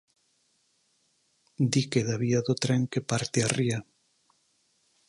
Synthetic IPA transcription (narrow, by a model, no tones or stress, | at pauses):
d̪ikeðaβiaðot̪ɾɛŋkepaɾt̪earia